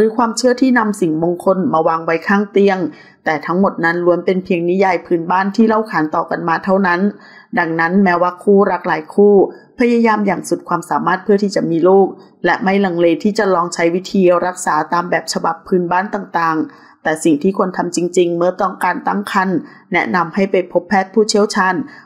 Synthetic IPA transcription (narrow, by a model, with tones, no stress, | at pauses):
ɾɯː˨˦kʰwaː˧mt͡ɕʰɯ˥˩ɐt̪ʰiː˥˩na˧msi˨˩ŋmo˧ŋkʰo˧nmaː˧waː˧ŋwa˦˥jkʰaː˥˩ŋt̪i˧əŋ | t̪ɛː˨˩t̪ʰa˦˥ŋmo˨˩t̪̚na˦˥nlu˧˦ənpe˧npʰi˧əŋni˦˥jaː˧jpʰɯː˧˥nbaː˥˩˨nt̪ʰiː˥˩la˥˩wkʰaː˩˦nt̪ɔː˨˩ka˧nmaː˧t̪ʰa˥˩wna˦˥n | da˧ŋna˦˥nmɛː˦˥waː˧˥˩kʰuː˥˩ɾa˦˥k̚laː˨˦jkʰuː˥˩pʰa˧jaː˧jaː˧mjaː˨˩ŋsu˨˩t̪̚kʰwaː˧msaː˩˦maː˥˩t̪̚pʰɯ˥˩t̪ʰiː˥˩t͡ɕa˨˩miː˧loː˥˩k̚ | lɛ˦˥ʔma˥˩jla˨˩ŋleː˧t̪ʰiː˥˩t͡ɕa˨˩lɔː˧ŋt͡ɕʰa˦˥jwi˦˥t̪ʰiː˧ɾa˦˥k̚saː˩˦t̪aː˧mbɛː˨˩p̚t͡ɕʰa˧ba˨˩pʰːɯː˧˥nbaː˥˩nt̪aː˨˩ŋt̪aː˨˩ŋ | t̪ɛː˨˩si˨˩ŋt̪ʰiː˥˩kʰo˧nt̪ʰa˧mt͡ɕi˧ŋt͡ɕi˧ŋmɯ˥˩ɐt̪ɔ˥˩ŋkaː˧nt̪a˥˩ŋkʰa˧˥˩nː | ɛ˦˥ʔna˧mha˥˩jpa˧jpʰo˦˥pʰːɛː˥˩t̪̚pʰuː˥˩t͡ɕʰi˥˩əwt͡ɕʰaː˧n